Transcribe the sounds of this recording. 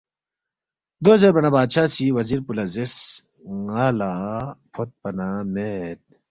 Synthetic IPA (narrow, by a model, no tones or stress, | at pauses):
d̪ozeɾbɐnɐbaːd̪ɕʰaːsiwɐziːɾpulɐzeɾs | ŋaːlapʰot̪̚pɐnamet̪̚